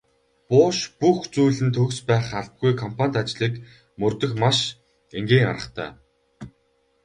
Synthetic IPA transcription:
pʊːʃpuxt͡suːɮɘ̆nt̪ʰɵkspæːχaɮt̪̚ɡujkʰɔmpʰanʲt̪at͡ɕɮiːk | mɵrt̪ɵ̆xmaʃ | eŋɡeːŋa̰ɾə̆χt̪ʰœ̰ː

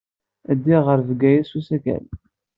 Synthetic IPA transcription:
æd̪ːiʁəɾvɡæjæsusækæ̰l

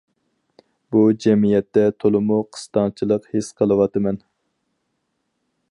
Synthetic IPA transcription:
bud͡ʒɛmijɛt̪ːɛt̪ʰolˠɨmuqʰə̥st̪ɑnt͡ʃʰilˠəqhesqʰəlˠɨwɑt̪ɨmɛn

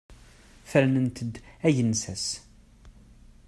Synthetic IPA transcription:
fæɾnənt̪ʰəd̪æʝənsæs

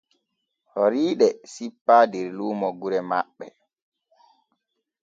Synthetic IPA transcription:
hoɾiːɗɛsipːaːdɛɾluːmɔɡuɾɛma̰ɓːɛ

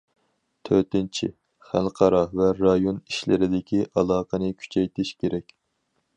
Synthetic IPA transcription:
t̪ʰøɾt̪ɪnt͡ʃʰḭ | χæ̰lqʰɑɾɑvɛɾɑjoniʃlɪɾɪd̪ɪkʲiʔɑlˠɑːqənɨkʲʰy̥t͡ʃʰɛjt̪ɪʃkʲʰeɾɛkʲ

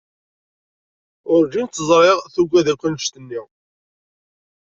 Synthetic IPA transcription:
ʊɾd͡ʒint̪ːəzˤɾˤeʁθuɡʷːæðækʷːənʃt̪ənːi

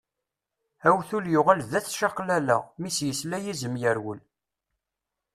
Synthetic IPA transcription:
æwθuljʊʁælðæθʃɑqlælæ̰misjəslæjizəmjəɾwəl

